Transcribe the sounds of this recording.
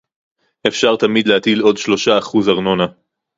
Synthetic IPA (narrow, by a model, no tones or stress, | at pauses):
ʔe̞fʃaʁt̪amid̪leat̪ilo̞dʃlo̞ʃaːχuzaʁno̞na